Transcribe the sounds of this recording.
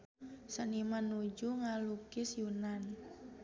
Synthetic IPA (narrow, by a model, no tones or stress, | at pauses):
sənimanud͡ʒuŋalukɪsjunan